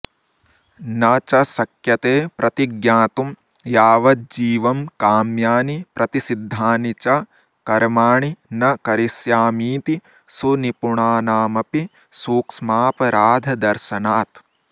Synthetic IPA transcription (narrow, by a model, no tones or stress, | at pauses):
nɐt͡ʃɐsɐkjɐt̪eːpɾʔɐt̪iɡjaːt̪um | jaːʋɐd͡ʒiːʋɐmkaːmjaːnipɾɐt̪isid̪ʱːaːnit͡ʃɐ | kɐɾmaːɳinɐkɐɾisjaːmiːt̪i | sunipuɳaːnaːmɐpi | suːksmaːpɐɾaːd̪ʱɐd̪ɐɾʃɐnaːt̪